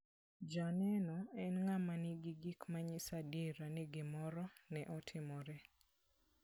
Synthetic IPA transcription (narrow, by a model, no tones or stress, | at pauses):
d͡ʒanɛnɔɛnŋamanɪɡɪɡikmaɲɪsadiɾanɪɡɪmɔɾɔnɛʔɔtʰɪmɔɾɛ